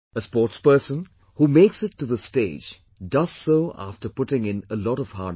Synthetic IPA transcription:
əspɔːʈspəːsə̃n | humeːksɪʈːuðəsteːd͡ʒ | dʌz̥soːʔa̰fʈəpʊʈɪ̃ŋɪ̃nəlɔɾɔv̥haː

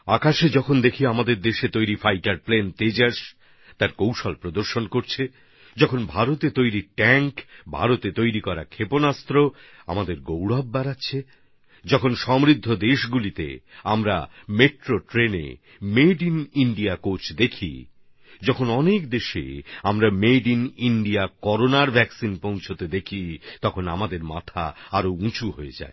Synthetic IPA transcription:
akaʃed͡ʑɔkʰond̪ekʰiamad̪eɾd̪eʃet̪ojɾifajʈaɾplent̪ed͡ʑaɾʃ | t̪aɾkowʃɔlpɾod̪oɾʃonkoɾt͡ɕʰe | d͡ʑɔkʰonbʱaɾot̪et̪ojɾiʈɛŋkbʱa̰ɾot̪et̪ojɾikɔɾa̰kʰeponast̪ɾo | a̰mad̪eɾɡowɽab̚ːaɾatːɕʰe | d͡ʑɔkʰonʃɔmɾid̪ʱːod̪eʃɡulit̪ḛamɾa̰meʈɾoʈɾenḛ | meɖiniɳɖiakot͡ɕd̪ekʰḭ | d͡ʑɔkʰonɔnekd̪eʃḛamɾameɖiniɳɖiakɔɾonaɾbʱɛksinpõw̃t͡ɕʰot̪ed̪ekʰit̪ɔkʰona̰mad̪eɾma̰t̪ʰa̰aɾoũt͡ɕuɦoed͡ʑa̰e

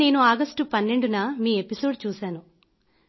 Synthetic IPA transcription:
e̞ːnuaːɡɐsʈupɐnːe̞ɳɖunɐmiːe̞piso̞ːɖt͡ʃuːsaːnu

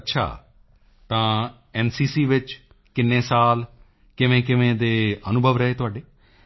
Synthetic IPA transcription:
ətːʃʰa̰ː | t̪ãː | ɛːnsiːsiːʋɪt͡ʃ | kɪnːẽːsaːl | kɪʋẽːkɪʋẽːd̪eːənʊbʱəʋɾəɦeːt̪ʊaːɖeː

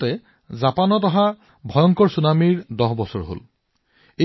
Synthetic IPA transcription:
ɛ | zapanɔtɔɦa | bʱɔjɔŋkɔɹsunamiɹdɔɦbɔsɔɹɦo̰l | e

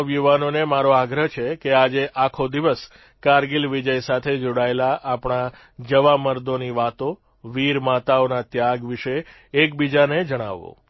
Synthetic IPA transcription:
ʋjuʋanonemaɾoaɡɾəɦt͡ʃʰekead͡ʒeʔakʰod̪iʋəs | kaɾɡilʋid͡ʒəjsat̪ʰed͡ʒoɽaelaʔapɳ̃a | d͡ʒəʋaməɾd̪oniʋat̪o | ʋiɾmat̪aonat̪jaɡʋiʃeː | k̚bid͡ʒaned͡ʒəɽ̃a̰ʋo̰

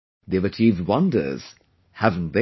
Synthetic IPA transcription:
ðeɪvɨt͡ʃʰivd̚wʌ̃ndə̰˞z̥ | hæṽn̩tðe

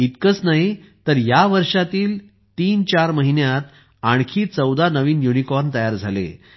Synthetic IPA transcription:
it̪kət͡snaɦit̪əɾjaʋəɾʂat̪iːl | t̪iːnt͡ɕaɾməɦinjat̪ | aɳ̃kʰiːt͡səwd̪anəʋiːnjunikɔɾnt̪əjaɾd͡zʱalḛ

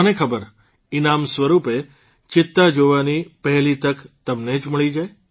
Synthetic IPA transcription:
ənekʰəbəɾ | inamsʋəɾupe | t͡ʃɪt̪ːad͡ʒoʋanipəɦɛlit̪əkt̪əmned͡ʒməɭid͡ʒae

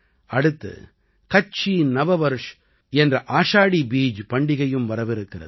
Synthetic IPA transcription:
ɐɽɯt̪ːɯ̰ | kɐt͡ʃːinɐʋɐʋɐɾɯʂ | ɛndrɐʔaːʂaːɽibiːd͡ʒpɐɳɖɪɣɐjɯmʋɐɾɐʋɪɾɯkːɪrɐ̰ðɯ

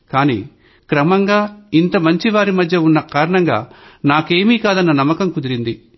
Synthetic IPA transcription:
kaːnḭː | kɾɐmɐŋɡaːint̪ɐmɐɲt͡ʃiʋaːɾimɐd̪ʱjɐunːɐkaːɾɐɳɐŋɡa̰ːnaːke̞ːmiːkaːd̪ɐnːɐnɐmːɐkɐmkud̪iɾind̪i

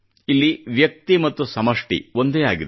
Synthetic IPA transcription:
ilːiʋjɐk̚t̪imɐt̪ːusɐmɐʂʈḭʋo̞nd̪eːaːɡid̪

